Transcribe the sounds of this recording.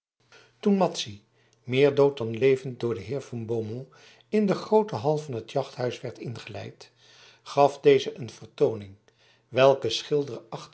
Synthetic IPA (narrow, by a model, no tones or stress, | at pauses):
tunmɑtsi | mɪːɹdowt̚dɑnlejvənt̚dʊːɹdəɦɪːɹvɑnbomo | ɪndəχrowtəɦɑlˠvɑnɦətjɑχtɦœɥsʋɛɹtɪnχəlɛ̰jt | χɑfdejzəʔənvəɹtownɪŋ | ʋɛlˠkəsχɪlˠdərɑχ